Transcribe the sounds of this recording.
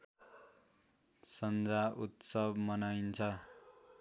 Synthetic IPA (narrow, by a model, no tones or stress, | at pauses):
sʌnd͡zaut̪sʌbmʌnajnt͡sʰʌ